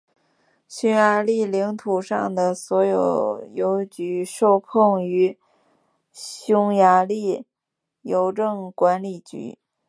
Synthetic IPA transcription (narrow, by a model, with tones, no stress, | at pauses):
ɕu˥ŋja˧˥li˥˩li˧˥ŋt̪ʰu˨˩ʂɑ̰˥˩ŋd̪ə˩swɔ˧˥jo˨˩ʊjo˧˥ʊt͡ɕy˧˥ʂo˥˧ʊkʰɤ˥˩ŋy˧˥ | ɕjʊ˥ŋja˧˥li˥˩ | jo˧˥ʊʈ͡ʂɤ˥˩ŋkwa˧˥nli˨˩t͡ɕy̰˧˥